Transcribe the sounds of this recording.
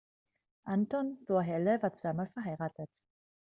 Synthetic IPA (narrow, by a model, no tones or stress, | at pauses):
ʔantɔnzoɐɦɛləvaːɐt͡sv̥aɪmaːlfɛɐɦaɪʁaːtʰət